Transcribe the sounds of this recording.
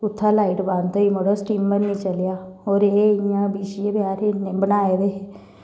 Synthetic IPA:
ʊt̪ʰːaːlaːiʈbãnoiːmoɽosʈiːmːəɾnĩːt͡ʃəljaːɦoːɾeːɪjãːbiːʃiẽːbɪjaːɾeneːbənaːeːd̪eː

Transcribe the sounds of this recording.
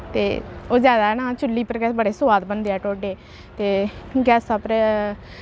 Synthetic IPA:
t̪eːoːzjaːd̪aːɦɛnãːt͡ʃʊlːiːpəɾɡɛːsbəɽeːsʊaːt̪bənd̪eːɛːʈoːɖeː | t̪eːɡɛːsaːpɾɛ

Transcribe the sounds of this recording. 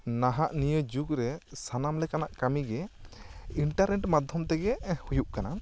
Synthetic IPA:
naɦaʔnijəd͡ʒuɡɾɛsanamlɛkanaʔkamiɡɛ | iɳʈaɾnɛʈmad̪ʱjɔmt̪ɛɡɛhujuʔkana

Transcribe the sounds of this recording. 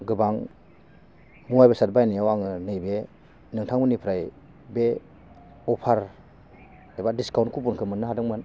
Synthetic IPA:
ɡɯbaŋ | muajbasat̚bajnijawaŋɯnɯjbe | nɯŋtʰaŋmɯnipʰɾaj | be | ɔpʰaɾ | ajbadiskawntkʰup̬unkʰɯmɯnːɯɦadɯŋmɯn

